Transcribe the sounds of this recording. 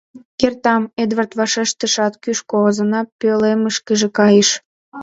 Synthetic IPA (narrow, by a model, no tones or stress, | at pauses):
kert̪ɑmed̪βərt̪vɑʃeʃt̪əʃɑt̪kyʃkoozənɑpøleməʃkəʒĕkɑjeʃ